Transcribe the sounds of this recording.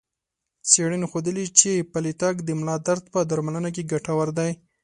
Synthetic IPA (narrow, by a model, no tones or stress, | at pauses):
seɽənixod̪əlit͡ʃepalit̪ɑkd̪əmlɑd̪aɾd̪pəd̪aɾmalənak̬eɡaʈawaɾd̪aj